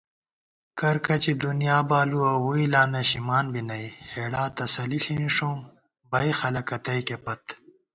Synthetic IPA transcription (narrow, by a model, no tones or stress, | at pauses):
kɐɾkɐt͡ɕid̪unijaːbaːluɐwuilaːnɐɕimaːnbinɐjheːɽaːt̪ɐsɐliɬiniʂõːm | bɐjxɐlɐkɐt̪ɐjkepɐt̪